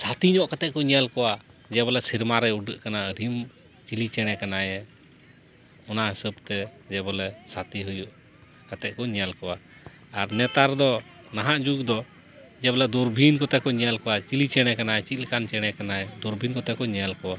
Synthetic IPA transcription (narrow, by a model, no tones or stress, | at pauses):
sat̪iɲɔʔkat̪ɛʔ̚kɔɲɛalkɔwa | d͡ʒɛbɔlɛsiɾmaɾɛuɖəʔkanaəɾʱim | t͡ʃilit͡ʃɛɽ̃ɛkanajɛ | ɔnaɦəsəb̚t̪ɛd͡ʒɛbɔlɛsat̪iɦujuʔ | kat̪ɛʔ̚kɔɲɛalkɔwa | aɾnɛt̪aɾd̪ɔ | naɦãʔd͡ʒuɡd̪ɔ | d͡ʒɛbɔlɛd̪uɾbʱinkɔt̪ɛkɔɲɛalkɔwat͡ʃilit͡ʃɛɽ̃ɛkanajɛt͡ʃit̪lkant͡ʃɛɽ̃ɛkanajɛd̪ɔɾbʱinkɔt̪ɛkɔɲɛalkɔwa